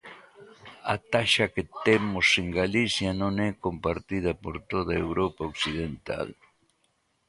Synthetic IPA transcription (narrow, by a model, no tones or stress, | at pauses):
a̰t̪aʃaket̪emoseŋɡalisjanõŋɛkompaɾt̪ið̞ɐpoɾt̪oðaewɾopaoksiðent̪a̰l